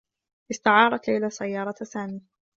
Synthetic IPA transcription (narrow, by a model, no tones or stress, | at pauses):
ʔɪst̪aʕɑːɾˤɑt̪lajlasajːɑːɾˤɑsaːmiː